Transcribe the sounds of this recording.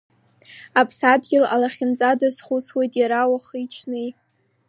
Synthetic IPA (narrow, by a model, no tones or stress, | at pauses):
apʰsadɡʲɪlalaχʲɪnt͡sʼadazχut͡sʰwejtʼjaɾawaχɨit͡ʃʰnɨj